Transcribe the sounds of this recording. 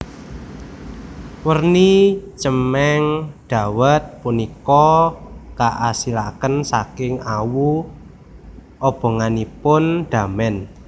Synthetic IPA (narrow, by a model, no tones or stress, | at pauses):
wərnit͡ʃəmɛŋɖ̪̥a̤wət̪̚punikɔ | kaʔasila̰kənsakɪŋawu | ʔɔb̥ɔ̤ŋanipʊnɖ̪̥a̤mɛn